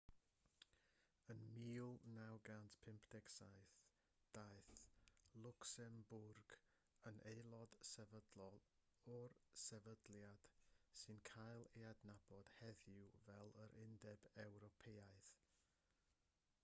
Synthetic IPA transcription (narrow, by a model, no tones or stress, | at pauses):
ənmiːʊlˠnawɡantpʰɪmpʰd̥ɛɡsajθ | d̥aɨθlˠʊksɛmbʊrɡ̥ | ənʔejlˠɔd̥sɛvədlɔlˠ | ɔrsɛvədljad̥sɨnkʰajlˠeadnab̥ɔd̥hɛðɪwvɛlˠəɾʔɪndɛbɛwɾɔpʰeːaɨθ